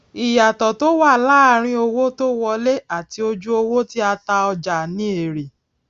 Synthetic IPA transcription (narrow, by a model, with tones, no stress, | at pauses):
i˨ja˨tɔ˨to˦wa˦˨la˦ɾ̃ĩ˧˦o˧wo˦to˦wɔ˧le˦a˦˨ti˧o˧d͡ʒu˦o˧wo˦ti˦a˧ta˧ɔ˧d͡ʒa˨nĩ˨˦e˨ɾe˨